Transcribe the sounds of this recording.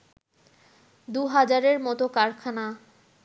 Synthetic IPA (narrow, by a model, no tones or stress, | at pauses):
d̪uɦad͡ʑaɾeɾmɔt̪okaɾkʰana